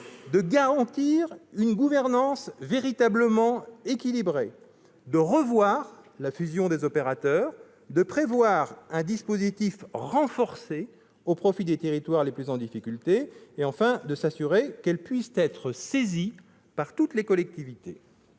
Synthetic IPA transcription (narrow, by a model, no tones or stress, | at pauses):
d̪əɡaʁɑ̃t̪iʁynɡuvɛʁnɑ̃sveʁit̪abləmɑ̃ekʲilibʁe | d̪əʁəvwaʁlafyzjɔ̃d̪ezɔpeʁat̪œːʁ | d̪əpχevwaʁɛ̃d̪ispozit̪ifʁɑ̃fɔʁse | opχɔfid̪et̪eʁit̪waʁleplyzɑ̃d̪ifikʲylt̪eːɑ̃fɛ̃d̪əsasyʁekɛlpɥist̪ɛt̪χəsezi | paʁt̪ut̪lekɔlɛk̚t̪ivit̪ḛ